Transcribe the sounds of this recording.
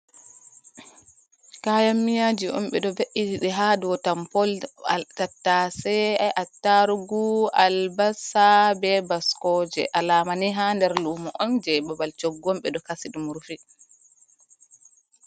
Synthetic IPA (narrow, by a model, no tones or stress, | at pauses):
kajamːijad͡ʒiʔɔ̰mɓɛɗɔbeʔid͡ʒiɗɛɦadɔtampɔlkatːasɛajʔatːaɾuɡualbasabɛbaskɔd͡ʒɛ̰ʔalaːmaniɦandɛɾlumɔʔɔnd͡ʒɛbabalt͡ʃɔɡːɔmɓɛɗɔkasiɗumuɾfi